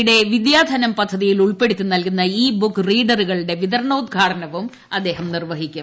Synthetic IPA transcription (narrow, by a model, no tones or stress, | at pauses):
ɽe̞ʋid̪jaːd̪ʱɐnɐmpɐd̪ʱːɐðijiluɭpe̞ɽit̪ʲːunːɐlkunːɐiːbukːriːɖɐruɣɐɭɽe̞ʋiðɐɾɳɐud̪̚ɡʱaːʈɐnɐʋum | ɐd̪ːe̞ːɦɐmnirʋɐɦikʲːum